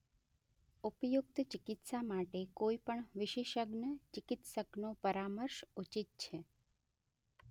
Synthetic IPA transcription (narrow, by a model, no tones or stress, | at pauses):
upjukt̪t͡ʃɪkɪt̪samaʈekoipəɳʋɪʃeʃəɡnət͡ʃikɪt̪səknopəɾaməɾʃut͡ʃit̪̚t͡ʃʰe